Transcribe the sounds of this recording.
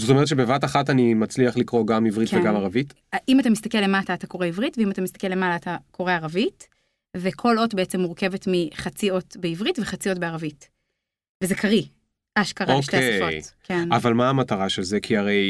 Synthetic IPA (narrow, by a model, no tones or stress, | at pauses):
zot̪omeetʃebevataχatanimat͡sliaχlikʁo̞ɡamivʁiktveɡamaʁavit | ʔimatamist̪akelːemataːtako̞ʁeivʁitveimat̪amist̪ḁke̞le̞malaːtakʰo̞ʁeaʁavit | vekʰo̞lo̞tbeet͡se̞mːuʁke̞ve̞tmiχat͡sio̞tbeivʁitve̞χat͡sio̞tbeaʁavit | vezekʰaʁi | ʔaʃkaʁaoʃkeesfotkenavalmaːmataʁaʃe̞lzekʰiaʁe̞j